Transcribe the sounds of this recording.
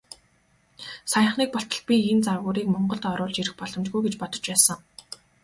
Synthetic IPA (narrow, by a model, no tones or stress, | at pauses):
sajə̆ɴχniːk̚pɔɬt̪ɞ̆ɮ̚pʲient͡sarɣʊːɾiːkmɔɴɢɞ̆ɮt̪ɔɾʊːɮt͡ɕiɾɘ̆xpɔɮɞ̆mt͡ɕɡujɡet͡ɕpɔt̪ɞ̥̆t͡ɕpæːsə̆ŋ